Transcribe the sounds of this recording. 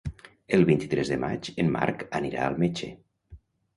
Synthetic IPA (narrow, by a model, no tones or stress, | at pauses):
elˠβint̪i̥t̪ɾezðəma̰t͡ʃemːa̰ɾkəniɾa̰əlˠmet͡ʃḛ